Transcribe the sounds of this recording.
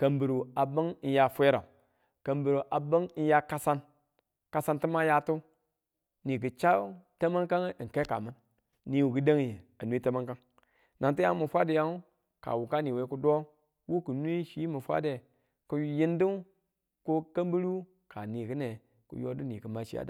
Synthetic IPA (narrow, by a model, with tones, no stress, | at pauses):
kə˨mbi˨ɾu˨a˨bə˦ŋ˦n̩˦ja˦fʷe˦ɾa˨u˨ | kə˨mbi˨ɾu˨ʔa˨bə˦ŋ˦n̩˦ja˦ka˦sa˦n | ka˨sa˦nti˦ma˦ja˦tu˦ | ni˨ɡɨ˨t͡ʃa˦te˦ma˦ŋka˦ŋ˦˨ŋ˨ke˦ka̰˨ma˦nː | i˨wu˨ɡɨ˦de˦ŋ˦e˨a˨nu˦i˦te˦ma˦ŋka˦ŋ | nʔa˨ŋti˦a˦mu˨fʷa˦de˨ja˦ŋu˦ | ka̰˨wu˨ka˦ni˨we˦ku˦do˦ | wu˦ku˨nʷ˦i˦ʃi˦mu˨fʷa̰˦de˨ | ku˦ji˦ndu˦ | ku˦kə˦mbi˦ɾu˦ | ka˨ni˨kə˦ne˨ | kṵ˨jo˦du˦ni˨kə˨ma˦ʃi˦a̰˦da̰˨